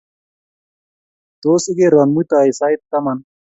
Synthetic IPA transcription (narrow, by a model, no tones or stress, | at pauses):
t̪oːsiɡeɾɐnmujt̪aːisaːjt̪kɐmɐn